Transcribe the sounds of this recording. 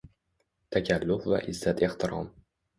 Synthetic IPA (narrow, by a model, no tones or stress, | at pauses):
t̪ʰakʲʰalːʊfva̰ʔɪzːat̪ʰe̞ht̪ʰɪɾɒ̰m